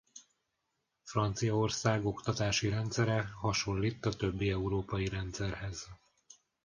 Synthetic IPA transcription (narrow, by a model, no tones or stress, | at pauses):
frɒnt̪sijɒo̞rsaːɡo̞kt̪ɒt̪aːʃiɾɛnt̪sɛɾɛhɒʃo̞lːiːt̪ːɒt̪ø̞bːiɛuɾoːpɒjiɾɛnt̪sɛrhɛz